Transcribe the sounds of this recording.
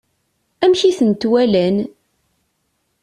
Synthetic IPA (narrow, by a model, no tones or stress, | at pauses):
æmçiθənt̪wælæn